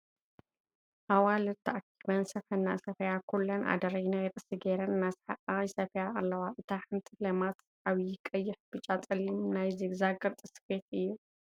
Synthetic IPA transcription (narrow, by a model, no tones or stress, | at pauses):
ʔawalɨt̪ʰɐʔakʰːiβɐnsɐfɐnːa̰sɐfɐjakʰulːɐnʔa̰d̪ɐɾɐjnajt̪ʼɨsɨɡeɾɐnɨnːazħakʼajsɐfɐjaːlːɐwaʔɨt̪ʰaħɨnt̪ʰilɐmat̪ | ʔaβjɪkʼɐjːɪħbɨt͡ʃʼat͡sʼɐlimnajzɨɡzaɡɐɾt̪ʼɨsfet̪ɨjːu